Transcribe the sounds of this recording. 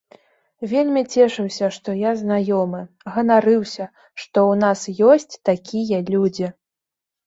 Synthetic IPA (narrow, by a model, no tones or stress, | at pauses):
vʲelʲmʲit͡sʲɛʂɨwsʲɐʂt̪ɔjaznajɔmɨ | ɣɐnaɾɨwsʲɐ | ʂt̪ɔwnasjɔsʲt͡sʲt̪akʲʰijɐlʲud͡zʲi